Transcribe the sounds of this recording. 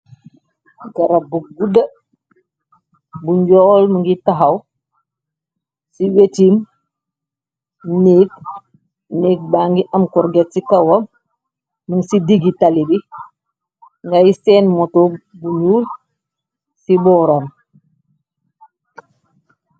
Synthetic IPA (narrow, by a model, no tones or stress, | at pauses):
ɡɐɾɐbuɡuda | buɲɟɔːlmuŋɡitaɦaw | siwetim | niːk̚ | niːk̚baːŋɡiʔɐmkɔɾɡetsikɐwɐ | muŋsidiɡitalibi | ŋɡajisɛːnmɔtobuɲuːl | sibɔːɾam